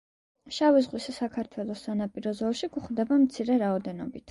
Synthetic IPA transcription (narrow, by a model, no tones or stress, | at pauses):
ʃavizʁwisasakʰaɾt̪ʰwɛlˠɔsːanapʼiɾɔzɔɾʃiɡuχd̪ɛbamt̪sʰiɾɛɾaɔd̪ɛnɔ̰bit̪ʰ